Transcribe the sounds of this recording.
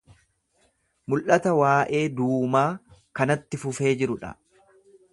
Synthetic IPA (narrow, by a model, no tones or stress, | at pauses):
mʊlʔɐt̪ɐwaːʔe̞ːd̪uːmaːkɐnɐt̪ːɪfʊfe̞ːd͡ʒɪɾʊᶑɐ̰